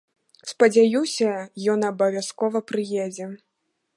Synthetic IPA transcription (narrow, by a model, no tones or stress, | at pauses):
spɐd͡zʲajusʲɐjɔnɐbɐvʲjaskɔvɐpɾɨjɛd͡zʲɛ